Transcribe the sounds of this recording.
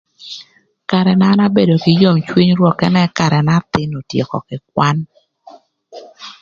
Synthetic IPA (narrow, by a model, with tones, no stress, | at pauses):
ka˨ɾɛ˨na˦na˦be˦do˨kɪ˨jo˦˨mt͡ʃwi˦ɲɾwɔ˨kɛ˦nɛ˦ka˨ɾɛ˨na˦t̪ɪ˦no˨tje˨kɔ̰˨kɪ˨k̚wa˦n